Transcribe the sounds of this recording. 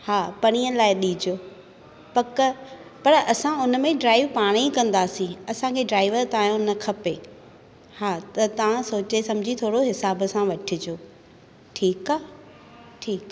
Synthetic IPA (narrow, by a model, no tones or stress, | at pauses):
haːpɐɽ̃iːəlaːɪɗiːd͡ʑoː | pɐk | pɐɾɐsãʊnmẽɖɾaːɪʋpaːɽ̃ikɐ̃nd̪aːsĩɐsãkʰeːɖɾaːɪʋəɾt̪aːjõnɐkʰɐpe | haːt̪ɐt̪ɐʋãsoːt͡ɕesɐmd͡ʑʱit̪ʰoːɽoɦɪsaːbsãʋɐʈʰɪd͡ʑoː | ʈʰiːkaː | ʈʰiːkː